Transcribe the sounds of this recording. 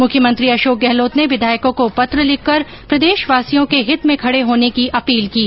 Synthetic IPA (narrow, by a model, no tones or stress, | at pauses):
mʊkʰjəmə̃nt̪ɾiɐʃoːk̚ɡɛɦloːt̪neʋɪd̪ʱaːjkõkopɐt̪ɾəlɪkʰːɐɾ | pɾɐd̪eːʃʋaːsijõkeɦɪt̪mẽkʰɐɽeɦoːnekiʔɐpiːlkiː